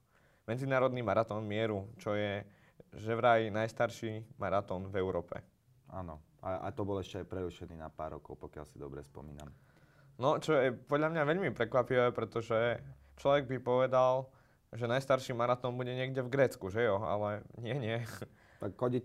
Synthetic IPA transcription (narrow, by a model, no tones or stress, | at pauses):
mɛd͡zinaːɾɔd̪nimaɾat̪ɔːnmɪɛɾut͡ʃɔjɛ | ʒɛʋɾajinajst̪aɾʃimaɾat̪ɔːnvɛʊɾɔːpɛ̰ | a̰ːnɔ | aa̰t̪ɔbɔlɛʃcɛaɪpɾɛɾuʃɛniːnapa̰ːɾːɔ̰kɔʊpɔkɪa̰lsid̪ɔbɾɛ̰spɔ̰miːna̰m | nɔt͡ʃɔjɛpɔd̪lʎamɲaʋɛʎmipɾɛkʋapiʋɛpɾɛt̪ɔʒɛ | t͡ʃlɔʋɛɡ̚bipɔʋɛd̪al | ʒɛnajst̪aɾʃiːmaɾat̪ɔːnbuɟɛɲɪɛɡɟɛvɡɾɛːt͡skuʒɛjɔa̰lɛɲɪɛɲɪɛ | t̪akxɔɟi